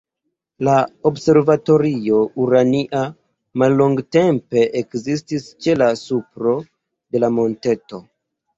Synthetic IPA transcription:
laobse̞ɾvato̞ɾio̞uɾaniʔa | malːoŋɡte̞mpe̞ʔekzis̬tist͡ʃe̞lasupɾo̞ | de̞lamo̞nte̞to̞

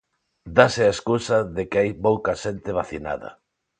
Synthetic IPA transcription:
d̪asɪaeskusaðekɪajpowkɐʃent̪ɪβ̞aθina̰ðɐ̰

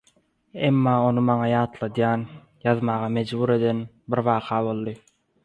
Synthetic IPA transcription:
e̞mːɑːo̞numɑŋɑjɑːt̪lˠɑd̪jɑːn | jɑðmɑːʁɑme̞d͡ʒbuːɾe̞d̪e̞n | biɾβɑːqʰɑːβo̞lˠd̪ɯ

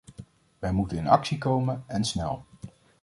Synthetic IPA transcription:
ʋɛjmutənənɑ̰ksikowmənɛnsnɛ̰lˠ

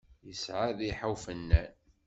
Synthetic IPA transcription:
jəsʕaðiħawfənːæ̰n

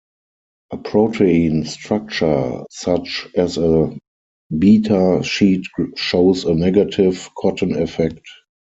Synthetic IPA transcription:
ʔəpʰɹotʰeĩnstɹak̚t͡ʃə˞sat͡ʃɛzə | biːtʰaʃiːtʃoʊsənɛɡatʰɪvkʰɔtʰə̃nɛfɛk̚t

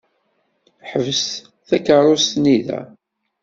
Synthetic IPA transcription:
ħəvəs | θækəɾˤost̪niðæ̰

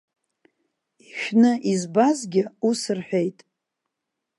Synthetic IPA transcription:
iʃᶣnɨʔizbazɡʲɪusɨrħʷᶣejtʼ

